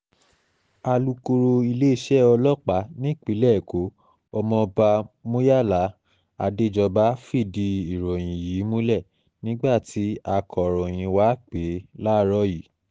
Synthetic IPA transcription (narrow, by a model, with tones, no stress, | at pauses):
a˧lu˧ko˧ɾo˧i˧le˦i˦˧˦ʃɛ˦ɔ˧lɔ˦˨k͡pa˨˦nĩ˦˨k͡pi˨˦lɛ˦˨ko˨˦ | ɔ˧mɔ̃˧ba˧mo˦ja˦˨la˨˦ | a̰˧de˦d͡ʒɔ˧ba˦fi˦˨di˧i˨ɾɔ̃˨j̃ĩ˨ji˨˦mõ˦lɛ˦˨ | nĩ˦ɡ͡ba˦˨tʰi˨˦a˧kʰɔ˨ɾɔ̃˨j̃ĩ˧˨wa˨˦k͡pe˨˦la˦ɾɔ˦ji˨˦